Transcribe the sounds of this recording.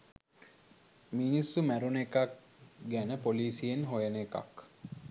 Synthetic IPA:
minisːumæɾunekak̚ | ɡænəpoliːsijenɦojəneka̰k

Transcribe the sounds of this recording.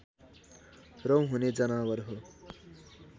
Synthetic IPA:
rʌw̃ɦuned͡zʌnawʌɾɦo

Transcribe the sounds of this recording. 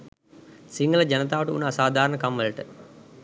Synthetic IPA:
siŋɡələd͡ʒɐnət̪aːʋəʈəṵnaːsaːd̪ʱaːɾəɳəkamʋəlʈə

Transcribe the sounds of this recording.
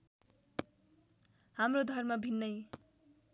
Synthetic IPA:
hamrod̪ʱʌrmʌbʱinːʌj

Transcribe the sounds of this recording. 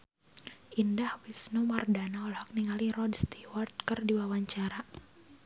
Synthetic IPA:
ʔindahwisnumardanaɔlhak̚niŋalirɔdst̪iwart̪̚kərdiwawaɲt͡ʃaɾa

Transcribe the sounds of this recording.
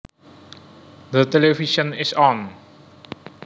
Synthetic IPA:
d̪ətɛleviʃə̃nɪsɔ̃n

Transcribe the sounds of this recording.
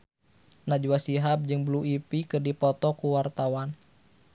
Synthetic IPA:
nad͡ʒuwasiɦap̚d͡ʒɨŋbluipikɨrdipɔt̪ɔkuwart̪awan

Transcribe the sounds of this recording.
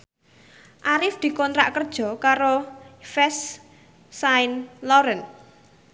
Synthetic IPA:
ʔaɾɪfd̪̥i̤kɔnt̪ɾaʔkərd̥ʒ̥ɔ̤kaɾofɛsː | aɪnlɔɾən

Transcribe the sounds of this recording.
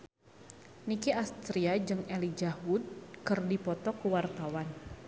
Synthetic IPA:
nikiast̪ɾiad͡ʒɨŋelid͡ʒahud̚kɨrdipɔt̪ɔkəwart̪awan

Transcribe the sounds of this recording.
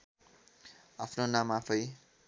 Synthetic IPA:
apʰnonamapʰʌj

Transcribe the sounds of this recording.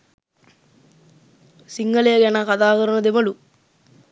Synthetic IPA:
siŋɡɐlejɐɡɛnɐkɐd̪aːɡɐɾɐnɐd̪eʋɐlu

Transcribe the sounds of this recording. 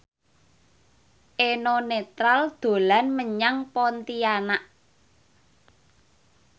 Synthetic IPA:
ʔenɔnet̪ɾald̪̥o̤lanməɲaŋpɔnt̪ianaʔ

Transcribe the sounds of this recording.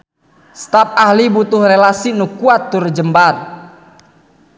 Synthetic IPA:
st̪ap̚ahlibut̪ʊhrelasinukuat̪ːʊrd͡ʒəmbar

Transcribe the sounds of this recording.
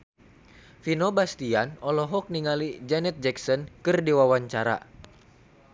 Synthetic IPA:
finɔbast̪ianɔlɔɦɔk̚niŋalid͡ʒɛnɛt̪̚d͡ʒɛksɔnkɨrdiwawaɲt͡ʃaɾa̰

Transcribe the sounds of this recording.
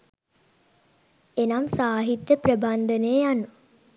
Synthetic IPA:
enamsaːɦit̪jəprəband̪ənejanːu

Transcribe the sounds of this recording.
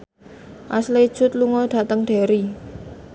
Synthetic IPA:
ʔasled̥ʒ̥ʊ̤t̪̚luŋɔd̪̥ä̤t̪əŋɖ̪̥e̤ɾi

